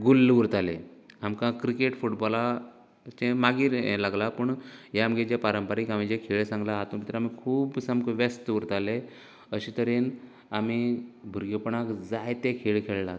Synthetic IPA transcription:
ɡulːʋuɾt̪aleamkãkɾikeʈfuʈbɔla | t͡ɕẽmaɡiːɾlaɡlapəɳjamɡed͡ʑepaɾəmpaɾiːkam̤id͡ʑekʰeɭesãŋɡlaɦat̪ũpit̪ɾaamikʰuːbsəmkʋest̪ʋuɾt̪ale | əɕit̪əɾen | amibʱuɾɡepəɳakd͡zajt̪ekʰeɭkʰeɭla

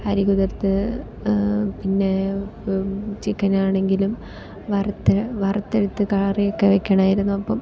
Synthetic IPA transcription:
ɐɾiɣuðɐrt̪ːɨ | pinːe̞ | t͡ɕikːɐnaːɳe̞ŋɡilum | ʋɐrɐt̪ːɨʋɐrɐt̪ːeɽut̪ːɨkaːrijokːeʋekʲːɐɳaːjiɾunːuɐpːɐm

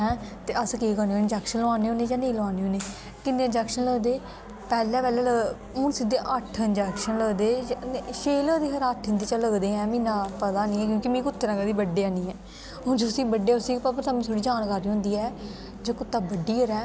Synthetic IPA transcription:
ɛ̃ːt̪eːʔəskeːkəneːoɪnd͡ʒɛːkʃənlʋaːneːoːneːd͡ʒaːneːlʋaːneːɦoːneː | kɪnːeːɪnd͡ʒɛːkʃənləɡd̪eː | pɛːlɛːpɛːlɛːlə | ʊːnsɪd̪eːʔəʈʰɪnd͡ʒɛːkʃənləɡd̪eːʃeːləːd̪eːkʰəɾaːt̪ʰɪnd̪iːt͡ʃaːləɡd̪eːɛ̃ːmɪ̃ːnãːpət̪aːnĩːɛːk̬jõːkimĩːkʊt̪ʰːeɾãːɡad̪iːbəɖːeːaːnĩːɛː | ɦʊ̃nd͡ʒʊsiːbəɖeːʊsiːpəpəɾt̪aːmĩːt̪ʰoːɽiːd͡ʒaːnkaːɾiːɦʊ̃nd̪iːɛː | d͡ʒəːkʊt̪ːaːbəɖːiːəɾɛː

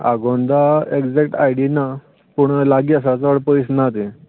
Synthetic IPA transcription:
a̰ɡond̪aeɡd͡zekʈa̰jɽina | puɳlaɡiːəs̬at͡səɽpəjsnat̪e

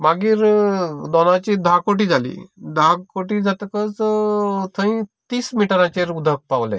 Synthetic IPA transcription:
maɡiːɾd̪ɔnãt͡ɕiːd̪ʱakoʈiːd͡zʱalḭːd̪ʱakoʈiːd͡zat̪kət͡s | t̪ʰə̃ĩt̪iːsmiʈəɾãt͡ɕeɾud̪ʱək̚paʋlḛ̃

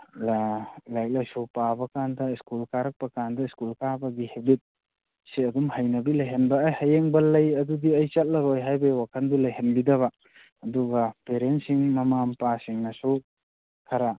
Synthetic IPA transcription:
llajk̚lajsupabɐkandɐiskulkaɾɐk̚pɐkandɐiskulkabɐɡihebit̚ | siɐdumhɐjnɐbilɐjɦenbɐːjhɐjeŋbɐlɐjɐdudiɐjt͡ʃɐt̚lɐɾojɦajbewakʰɐndulɐjɦenbidɐβɐ | ɐduɡɐpeɾentsiŋmɐmampasiŋnɐsu | kʰɐɾa

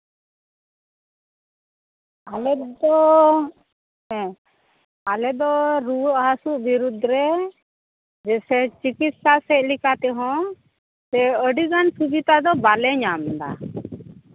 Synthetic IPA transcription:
alɛd̪ɔ | alɛd̪ɔɾuwəʔɦasuʔbiɾud̪ɾɛ | d͡ʒɛsɛt͡ʃikit̪sasɛt̚likat̪ɛɦɔ̃ | sɛəɖiɡansubit̪ad̪ɔbalɛɲamd̪a̰

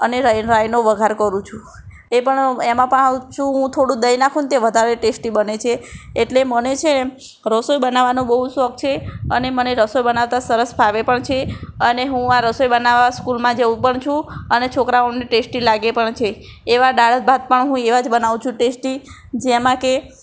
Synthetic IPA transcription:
əneɾɾajnoʋəɡʱaɾkəɾũt͡ʃʰũ | epəɳemãpəɳawt͡ʃʰũɦũt̪ʰoɽũd̪əjnakʰũnt̪eʋəd̪ʱaɾeʈesʈibənet͡ʃʰeːʈlemənet͡ʃʰee | ɾəsojbənaʋanõbəɦusɔk̚t͡ʃʰeəneməneɾəsojbənaʋt̪asəɾəsbʱaʋepəɳt͡ʃʰeəneɦũaɾəsojbənaʋaskulmãd͡ʒəũpəɳt͡ʃʰũənet͡ʃʰokɾaoniʈesʈilaɡepəɳt͡ʃʰeː | ʋaɖaɽəbad̪̚pəɳɦũeʋad͡ʒbənaʋũt͡ʃʰũʈesʈi | d͡ʒemãke

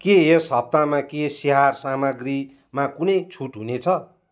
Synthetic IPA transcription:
keesɦʌb̚t̪amãkesiɦarsamʌɡri | mãkunʌjt͡sʰuʈɦunet͡sʰʌ

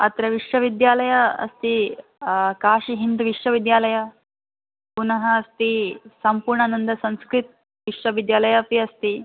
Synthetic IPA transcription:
ɐt̪ɾəʋiʂʋəʋid̪jaləjaɐ̰st̪i | kaɕiɦind̪ʋiʂʋəʋid̪jaləja | punəɦəːst̪isəmpuɾɳanənd̪əsə̃w̃skɾit̪̚ | ʋiʂʋəʋid̪jaləjapiəst̪iː

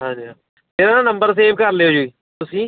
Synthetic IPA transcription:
ɦãd͡ʒiɦa | teːɾananɐ̃mbəɾs̬eːbkɐɾleːoːd͡ʒuiː | t̪ʊsĩː

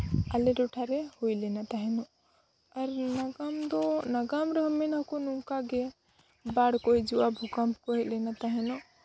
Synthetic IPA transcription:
alɛɾɔʈʰaɾɛhujlɛnat̪aɦɛnɔʔ | aɾnaɡamd̪ɔnaɡamɾəɦmɛnakɔnuŋkaɡɛ | baɽkɔjd͡ʒuwabʱukampkɔɦɛt̪̚ˀlɛnat̪aɦɛnɔʔ

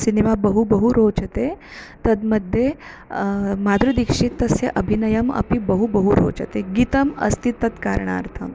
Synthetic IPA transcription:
sinemabəɦubəɦuɾoːt͡ʃət̪et̪ɐd̪məd̪ʱje | mad̪ɾud̪ikʂit̪ːəsjeʔəbʱinɐjəmɐ̰pibəɦubəɦuɾo̰ːt͡ʃət̪eɡit̪əmɐ̰st̪it̪ːət̪kaɾɳ̃a̰ːɾt̪ʰəm

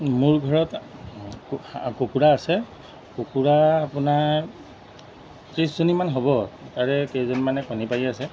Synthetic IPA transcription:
mʊɹɡʱɔɹɔt | kokuɹaːsɛ | kokuɹaapʊna | tɹiszonimanɦobɔtaɹɛkezonimanɛkɔnipajiasɛ

